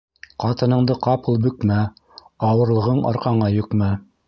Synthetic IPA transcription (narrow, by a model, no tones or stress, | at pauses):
qɑt̪ɤ̆nɤ̆ɴd̪ɤqɑpɤlˠbɵ̆kmæ | ɑwɤ̆ɾlˠɤ̆ʁɤɴɑ̰ɾqɑɴɑjɵ̆kmæ